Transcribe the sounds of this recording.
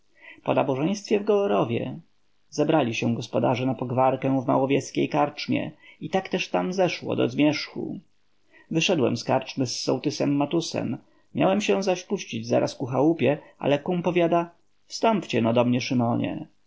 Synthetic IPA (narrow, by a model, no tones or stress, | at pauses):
pɔnabɔʐɛj̃st̪fʲjɛvɡɔɔɾɔvʲjɛ̰ | zɛbɾalʲiɕɛw̃ɡɔspɔd̪aʐɛnapɔɡvaɾkɛ̃w̃vma̰wɔvʲjɛskʲḛjkaɾt͡ʂmʲjɛ̰it̪akt̪ɛʂt̪amzɛʂwɔ̰d̪ɔ̰zmʲjɛʂxṵ | vɘʂɛd̪wɛ̰mskaɾt͡ʂmɘsːɔ̰wt̪ɘsɛmːat̪usɛ̰mː | ja̰wɛmɕɛw̃zaɕpuɕt͡ɕid͡ʑza̰ɾʔaskuxawupʲjɛʔa̰lɛkumpɔvʲjad̪a | fst̪ɔmpt͡ɕɛnɔd̪ɔmɲɛʂɨmɔɲɛ̰